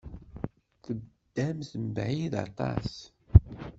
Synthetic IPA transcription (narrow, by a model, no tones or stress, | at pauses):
θəd̪̥ːæmθəmbʕiðɑ̰t̪ˤɑ̰s